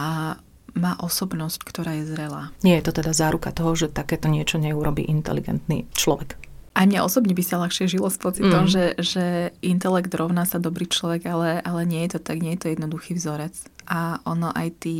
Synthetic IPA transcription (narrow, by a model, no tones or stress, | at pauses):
a | maːʔɔsɔbnɔsckt̪ɔɾaːjɛzɾɛlaːɲɪɛjɛt̪ɔt̪ɛd̪azaːɾukat̪ɔɦɔʒɛt̪akɛːt̪ɔɲɪɛt͡ʃɔɲɛuɾɔbḭːʔint̪ɛ̰lḭɡɛ̰nt̪nḭːt͡ʃlɔʋɛkʔajmɲaʔɔsɔbɲɛbisalaxʃɪɛʒilɔspɔt͡sit̪ɔmʒɛʒɛʔint̪ɛlɛɡd̪ɾɔʊnaːsad̪ɔbɾiːt͡ʃlɔʋɛɡalɛʔalɛɲɪɛjɛt̪ɔt̪aɡɲɛjɛt̪ɔjɛd̪nɔd̪uxiːvzɔɾɛt͡sʔaʔɔnɔʔa̰jt̪iː